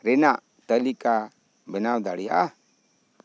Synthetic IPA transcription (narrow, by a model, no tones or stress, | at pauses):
ɾɛnaʔ | t̪əlika | bɛnawd̪aɽɛjaʔa